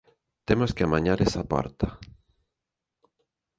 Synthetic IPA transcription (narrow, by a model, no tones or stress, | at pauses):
t̪emoskeamaɲaɾesapa̰ɾt̪a